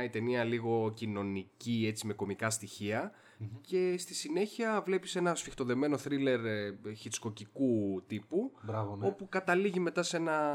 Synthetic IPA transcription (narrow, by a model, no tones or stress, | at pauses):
ɐit̪e̞niɐliɣo̞cino̞nicie̞t͡sime̞ko̞mikɐst̪içiɐ | ce̞st̪isine̞çiɐvle̞pise̞nɐsfixt̪o̞ðe̞me̞no̞θɾile̞ɾçit͡sko̞cikut̪ipubɾɐvno̞pukɐt̪ɐliʝime̞t̪ɐse̞nɐ